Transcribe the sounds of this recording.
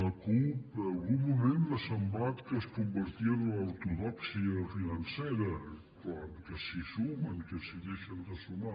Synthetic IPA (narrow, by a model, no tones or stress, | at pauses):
ləkupəlˠɣumːumend̪əsəmblat̪kəskumbəɾt̪iənunwt̪uðɔksiəfinənsɛɾə | kaŋkəsisuməŋkəsiðeʃənd̪əsuma